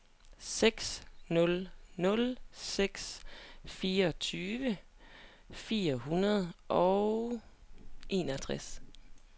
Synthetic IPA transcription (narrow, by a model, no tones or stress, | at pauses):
seɡ̥snɔ̽lnɔ̽lseɡ̥sfiːɐɒt͡sʰyːʋə | fiːɐhunɐð̞ˠʔɒ̽ʊ | ʔe̝ːnɒt͡sʰʁas